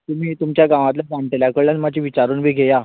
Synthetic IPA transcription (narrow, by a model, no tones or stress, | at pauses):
t̪um̤iːt̪umt͡ɕjaɡãʋãt̪lad͡zaɳʈeljakəɭənmad͡ʑĩʋit͡ɕaɾuːnbʱiːɡʱeja